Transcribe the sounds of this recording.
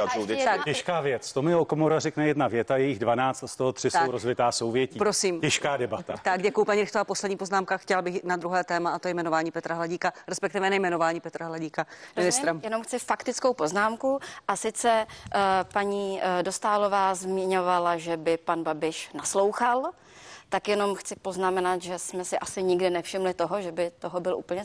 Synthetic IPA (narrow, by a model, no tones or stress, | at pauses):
ɛʃkaːvjɛt͡st̪omɪokomoɾarɛknɛjɛdnavjɛt̪ajɛjɪɣdvanaːt͡st̪ast̪oɦot̪r̥ɪst̪owɾozvɪt̪aːsowvjɛciːpɾosiːmɛʃkaːdɛbat̪a̰t̪aɡɟɛkujʊpaɲiɾɪxt̪oapo̞slɛdɲiːpo̞znaːmkaxcɛlbɪxnad̪ɾuɦɛːt̪ɛːmaat̪ojɛjmɛnovaːɲiːpɛt̪ɾaɦlaɟiːkaɾɛspɛkt̪ɪvɛnajmɛnovaːɲiːpɛt̪ɾaɦlaɟiːkaɪnɪst̪ɾɛmjɛnomxt͡sɪfakt̪ɪt͡sko̞wpo̞znaːmkuʔasɪt͡sɛ | paɲiːdost̪aːlovaːzmɪɲovalaʒɛbɪpanbabɪʃnaslo̞wxal | t̪akjɛno̞mxt͡sɪpo̞znamɛnat̪ʒɛsmɛsɪʔasɪɲɪɡdɪnɛfʃɪmlɪt̪oɦoʒɛbɪt̪oɦobɪlʔṵːpl̩ɲɛ